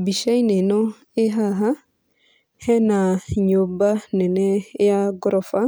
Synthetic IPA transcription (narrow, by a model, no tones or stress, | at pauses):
biʃainenɔ | eɦaɦa | hɛnaɲobanɛnɛjaɡɾɔfa